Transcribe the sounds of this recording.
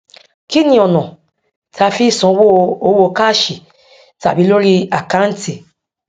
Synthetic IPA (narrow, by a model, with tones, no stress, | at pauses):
ki˦nĩ˨ɔ˨nɔ̃˨ | ta˧fi˦sɔ̃˨˦wo˦o˦wo˧˨ka˦˨ʃi˨ | ta̰˨bi˨˦lo˦ɾi˧a˨ka˦n̩˦ti˨